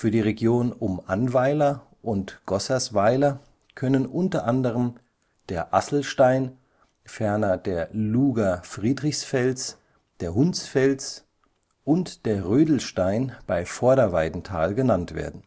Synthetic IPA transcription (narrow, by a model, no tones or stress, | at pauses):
fyːɐdiːʁeɡjoːnʊmʔanvaɪlɐ | ʔʊntɡ̥ɔsɐsv̥aɪlɐ | kʰœnənʔʊntɐʔandəʁ̞əm | d̥eːɐʔa̰sl̩ʃtaɪn | fɛɐnɐd̥eːɐluːɡafʁ̥iːdʁɪçsfɛlt͡s | d̥eːɐɦʊnt͡sfɛlt͡s | ʔʊntd̥eːɐʁøːdl̩ʃtaɪnb̥aɪfɔɐɾɐvaɪdn̩tʰa̰ːlɡənantv̥ḛːɐdn̩